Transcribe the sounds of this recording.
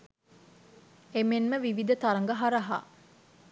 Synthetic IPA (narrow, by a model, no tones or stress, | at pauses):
emenməʋiʋid̪ət̪aɾɐŋɡəɦaɾɐɦa̰ː